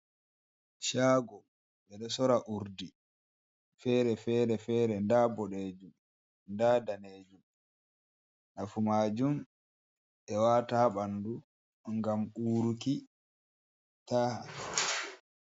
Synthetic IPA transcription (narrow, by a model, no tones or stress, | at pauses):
ʃaːɡɔ | ɓɛɗɔsɔɾaʔuɾdi | fɛːɾɛfɛːɾɛfɛːɾɛndabɔɗeːd͡ʒum | ndadaneːd͡ʒum | ɗafumaːd͡ʒum | ʔɛwaːtaɓandu | ŋɡamuːɾuki | taːha